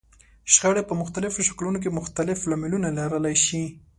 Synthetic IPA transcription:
ʃxəɽepəmʊxt̪alɪfoʃḁklunok̬emʊxt̪alɪflamɪlunalaɾəlajʃi

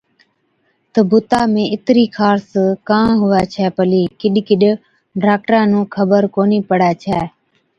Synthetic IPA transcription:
t̪əbʊt̪aːmẽːɪt̪ɾiːkʰaːɾskãːɦʊʋaːt͡ʃʰɛːpəliːkɪɗkɪɗ | ɖaːk̚ʈɾãːnũːkʰəbəɾkoːniːpəɽaːt͡ʃʰɛː

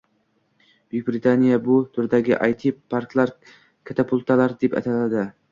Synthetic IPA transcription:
b̥ɪk̚bɾit̪ʰanijabʊt̪ʰʊɾd̪aɡʲɪʔajt̪ʰipʰaɾklˠaɾ | kʲʰat̪ʰapʰʊlˠt̪ʰalaɾd̪e̞pa̰t̪ʰalad̪ɪ

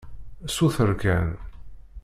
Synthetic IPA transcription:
suθəɾkæn

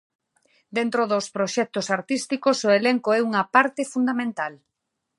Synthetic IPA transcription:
d̪ent̪ɾoðospɾoʃɛk̚t̪osaɾt̪ist̪ikosoeleŋkoɛuŋɐpaɾt̪efund̪amẽnt̪al

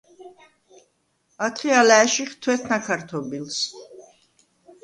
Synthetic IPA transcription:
at̪ʰχialaːʃiχt̪ʰwɛt̪ʰnakʰaɾt̪ʰɔbils

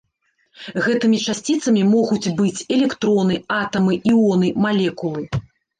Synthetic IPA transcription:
ɣɛt̪ɨmʲit͡ʂasʲt͡sʲit̪sɐmʲimɔɣut͡sʲbɨt͡sʲɛlʲɛkt̪ɾɔnɨat̪ɐmɨʔiɔnɨmalʲɛkulˠɨ

